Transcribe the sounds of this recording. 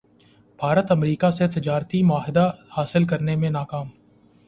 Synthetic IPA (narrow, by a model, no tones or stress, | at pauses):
b̥ʱaːɾət̪ɐmɾiːkaset̪ɪd͡ʒaːɾt̪imʊaːɦɪd̪ahaːsɪlkɐɾnemẽnaːkaːm